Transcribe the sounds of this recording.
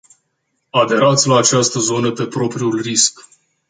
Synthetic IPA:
ad̪e̞ɾat̪sʲlaːt͡ʃast̪əzo̞nəpe̞pɾo̞pɾiulrisk

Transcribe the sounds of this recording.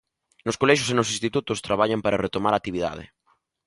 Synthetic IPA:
noskolɛʃ̬osenosĩst̪it̪ut̪ʊst̪ɾaβaʎampaɾaret̪omaɾat̪iβiða̰ð̞ɪ̰

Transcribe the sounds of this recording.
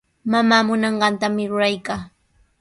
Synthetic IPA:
mamaːmʊnɑɴɢɑnt̪amɪɾʊɾajkaː

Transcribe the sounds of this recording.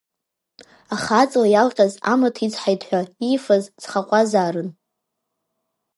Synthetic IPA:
aχat͡sʼlajalqʲʼaza̰matʰit͡sħajtʰʼħʷᶣaifazt͡sχaqʷʼazaːɾɨn

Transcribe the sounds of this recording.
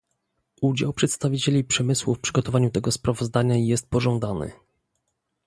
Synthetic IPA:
ʔud͡ʑawpʂɛt̪st̪avʲit͡ɕelʲipʂɛmɘswufpʂɘɡɔt̪ɔvaɲut̪ɛɡɔspɾavɔzd̪aɲajɛst̪̚pɔʐɔ̃nd̪anɘ̰

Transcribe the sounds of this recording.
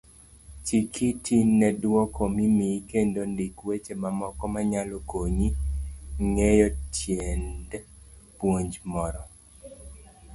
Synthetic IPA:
t͡ʃikʰitʰinːɛdwɔkomimikendondikwet͡ʃemamɔkɔmaɲalokoɲi | ŋejɔtjendpwoɲd͡ʒmɔɾɔ

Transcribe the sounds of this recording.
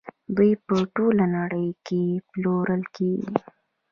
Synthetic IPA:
d̪ujpəʈolanaɽəjkeploɾəlkeɡi

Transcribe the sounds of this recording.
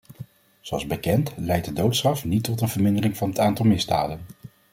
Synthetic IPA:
zowɑlˠzbəkɛntlɛjt̚dədowtstrɑfnitːɔtənvəɹmɪndərɪŋvɑnɦətaːntɑlˠmɪzda̰ːdən

